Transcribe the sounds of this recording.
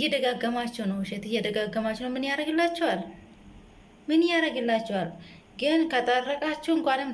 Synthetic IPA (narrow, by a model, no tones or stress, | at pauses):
jɛd̪əɡaɡːəmat͡ʃːɛwnəwʃɛt̪ɨjɛd̪əɡaɡːəmat͡ʃːɛwnəwmɨnjaɾəɡɨlːat͡ʃːɛwal | mɨnjaɾəɡɨlːat͡ʃːɛwal | ɡɨnkʰət̪ʼərːəkʼat͡ʃːɛwɨŋkʷanɨm